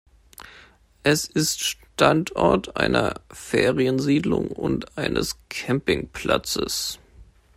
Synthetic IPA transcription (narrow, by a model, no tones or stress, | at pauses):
ʔɛsɪstʃtʰantʰʔɔɐtʰʔa̰ɪnʔɐfeːʁiənziːdlʊŋʊntʔaɪnʔəskʰɛmpɪŋpla̰t͡səs